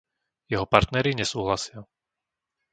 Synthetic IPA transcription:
jɛɦɔpaɾt̪nɛɾiɲɛsuːɦlasɪa

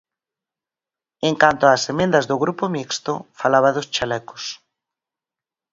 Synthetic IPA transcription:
eŋkant̪oaːsemẽnd̪azðoɣɾupomikst̪o̰falaβaðost͡ʃalɛko̥s

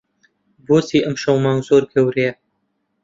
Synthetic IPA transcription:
boːsiːʔəmʃɐwmaːŋzoːɾkʰewɾeː

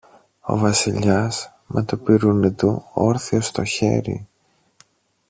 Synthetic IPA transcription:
o̞̰vɐsiʎɐs | mʔet̪upiɾunit̪uo̞ɾθio̞st̪o̞çe̞̰ɾḭ

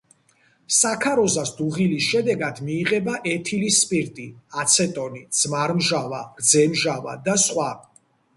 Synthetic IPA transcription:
sakʰaɾɔzasd̪uʁilisʃɛd̪ɛɡad̪miːʁɛbaʔɛt̪ʰilispʼiɾt̪ʼiat̪sʰɛt̪ʼɔnid̪z̥maɾmʒavaɡ̥d̪zɛmʒava̰d̪asχwa

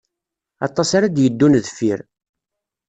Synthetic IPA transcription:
ɑt̪ˤːɑsaɾad̪jəd̪ːunðfiɾ

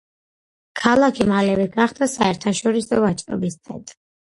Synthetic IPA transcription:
kʰalˠakʰimalɛvɛɡaχd̪asaɛɾt̪ʰaʃɔɾisɔvat͡ʃʼɾɔ̰bist̪sʰɛ̰nt̪ʼɾi

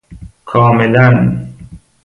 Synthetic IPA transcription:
kʰɒːmelæn

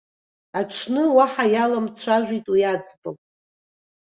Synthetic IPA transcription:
aʈ͡ʂʰnɨwaħajalamt͡sʷʰaʒᶣʷitʼwijad͡zbalʼ

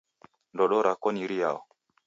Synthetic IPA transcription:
ndɔɗɔɾakɔniɾija̰wɔ

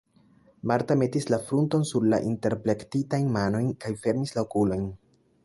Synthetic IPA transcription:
maɾtame̞tislafɾunto̞nsuɾla̰ʔinte̞ɾple̞ktitajnmano̞jnkajfe̞ɾmislaokulo̞jn

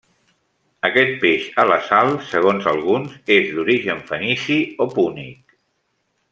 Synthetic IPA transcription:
əkɛt̪̚peʃələsalˠsəɣ̞onzəlˠɣunzezðd̪uɾiʒəɱfənisiopunḭk

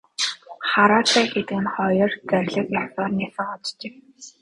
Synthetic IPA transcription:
χaɾaːt̪ʰæːxet̪ɘ̆ɘ̆nχɔjɞ̆rt͡særʲɮə̆kjasɔːrnisə̆ŋɔt͡st͡ɕĕk

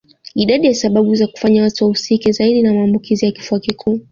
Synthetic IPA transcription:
iɗaɗijasaɓaɓuzaku̥faɲawatuwausikizaiɗinamaːmbukʰizijaki̥fuakikʰuː

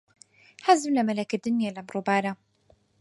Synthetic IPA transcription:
ħazɪbnamalakad̪ːʊnjalamɾubaːɾa

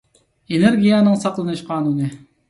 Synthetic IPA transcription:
eneɾɡʲijænɨŋsɑqlˠɨnɨʃqʰɑːnunɪ

